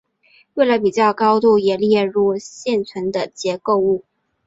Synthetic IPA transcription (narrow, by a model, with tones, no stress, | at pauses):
we˥˩ɪlə˧˦pi˨˩t͡ɕjɑ˥˩ʊkɑ˥ʊt̪u˥˩jɛ˨˩ljɛ˥˧ɻu˥˧ɕjɛ˥˩nt͡sʰwə˧˥nd̪ə˧˨t͡ɕjɛ˧˥ko˥˧ʊu˥˩